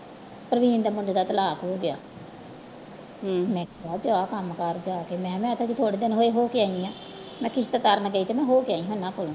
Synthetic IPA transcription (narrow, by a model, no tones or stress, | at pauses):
pɾəʋiːnd̪aːmʊɳɖ̪d̪aːt̪əlaːkɦoːɡɪa̰ː | mɛ̃ːkaːd͡ʒoaːkəmkəɾd͡ʒaːkeːmɛ̃ːmɛ̃ːət̪ʰãːt͡ʃiːt̪ʰoːɽeːd̪ɪnɦoːeːɦoːkɪaːĩãː | mɛ̃ːkɪsʰt̪at̪əɾnɡəiːt̪eːmɛ̃ːɦoːkɪaːĩɦonãːkoːlõː